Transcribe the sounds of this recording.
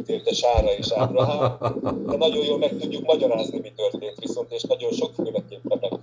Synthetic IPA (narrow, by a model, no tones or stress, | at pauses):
t̪eːrd̪ɛʃaːɾɒeːʃaːt̪ɾɒɦaː | ɛnɒɟo̞joːlmɛk̚t̪uɟːukmɒɟɒɾaːznimit̪ørt̪eːnt̪ʋiso̞nt̪eːʃnɒɟo̞nʃo̞kfylɛkeːpɒnːɒk